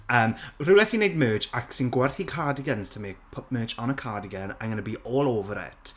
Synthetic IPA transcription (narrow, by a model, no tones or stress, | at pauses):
əːmrɪwlɛsinejd̚mɜːd͡ʒaksɪnɡwɛrθikʰaːdiɡɛnstʰəmipʰɔp̚mɜːd͡ʒɔnəkʰaːdiɡɛna̰ŋɡənəbiːʔoːlˠoːvəɾɛ̰tʰ